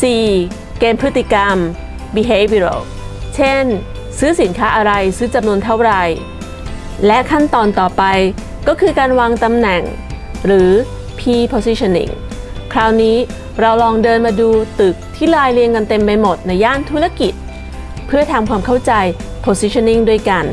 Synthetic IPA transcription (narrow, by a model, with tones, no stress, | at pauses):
siː˨˩ | keː˧mpʰɯ˦˥t̪ːi˨˩ka˧m | bi˧ɦeː˧bi˧ɾo̰˧˩w | t͡ɕʰe˥˩n | sɯː˦˥si˨˦nkʰaː˦˥ʔa˧ɾa˧jsɯː˦˥t͡ɕa˧mnu˧ənt̪ʰa˥˩wɾa˧j | lɛ˦˥kʰa˥˩nt̪ɔː˧nt̪ɔː˨˩pa˧j | kɔː˥˩kʰɯː˧kaː˧nwaː˧ŋt̪a˧mnɛ˨˩ŋ | ɾɯː˩˦ | pʰiː˧pʰoː˧si˦˥t͡ɕʰo˧nːḭ˥˩ŋ | kʰɾaː˦˧˥wniː˦˥ | ɾa˧wlɔː˧ŋdɤː˧nmaː˧duː˧t̪ɯ˨˩k̚t̪ʰiː˥˩laː˧jli˧əŋka˧nt̪e˧mpa˧jmo˨˩t̪̚na˧jːaː˥˩nt̪ʰu˦˥ɾa˧˥ki˨˩t̪̚ | pʰɯ˥˩ɐt̪ʰaː˧mkʰwaː˧mkʰa˥˩wt͡ɕa˧jpʰoː˧si˦˥t͡ɕʰo˧nːi˥˩ŋdu˥˩əjka˧n